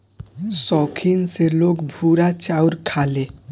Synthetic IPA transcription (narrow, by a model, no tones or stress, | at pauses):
sɔkʰinselokbʱuɾat͡ɕawɾkʰale